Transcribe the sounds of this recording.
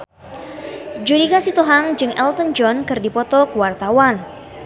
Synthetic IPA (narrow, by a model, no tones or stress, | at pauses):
d͡ʒuɾikasit̪uɦaŋd͡ʒɨŋʔɛlt̪ənd͡ʒɔnkɨrdipɔt̪ɔkəwart̪awan